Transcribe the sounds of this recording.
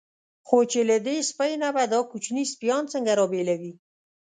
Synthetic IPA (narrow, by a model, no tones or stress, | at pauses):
xot͡ʃelad̪espəjnabad̪ɑkut͡ʃnispjɑnt͡səŋɡaɾɑbelawi